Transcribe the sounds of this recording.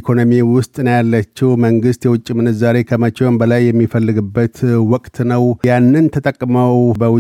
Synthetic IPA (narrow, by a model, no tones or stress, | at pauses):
kʰo̞nomiwʊst̪ʼnəjalːət͡ʃːɛwməŋɡɨst̪jɛwʊt͡ʃʼːimɨnːɨt̪zaɾe̞kʰəmət͡ʃʼonbəlajːɛmːifəlːɨɡɨbːət̪wɔkʼt̪nəwjanːɨnt̪ʰət̪ʼəkʼːməwbəwʊ